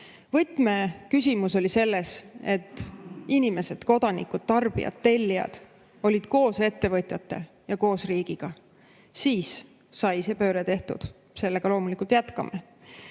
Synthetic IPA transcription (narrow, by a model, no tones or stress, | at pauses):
vɤt̪ːˑme̞kys̬ʲimuso̞lʲise̞lːe̞se̞t̪ːinime̞se̞d̪̥ko̞d̪̥ɑnḭkud̪̥̚t̪ɑrb̥ḭjɑ̰t̪ːe̞lʲːijɑ̰d̪̥ | o̞lʲid̪̥ko̞ːse̞t̪ːe̞vɤt̪ʲˑjɑt̪ˑːe̞ | jɑko̞ːsriːɡ̥iɡ̥ɑ | siːsː | ɑjse̞ːpø̞ːɾet̪e̞ht̪ṵd̪̥ | se̞lːe̞ɡ̥ɑlo̞ːmulikˑult̪jæt̪kɑ̰me